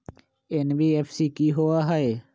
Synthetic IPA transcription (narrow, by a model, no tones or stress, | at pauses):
enbiːefsiːkiːɦoaːɦaeː